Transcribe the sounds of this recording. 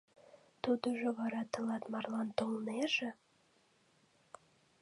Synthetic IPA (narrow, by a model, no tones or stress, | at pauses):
t̪ud̪ŏʒŏβɑɾɑt̪ɤ̆lɑt̪mɑrlˠɑnt̪olˠneʒĕ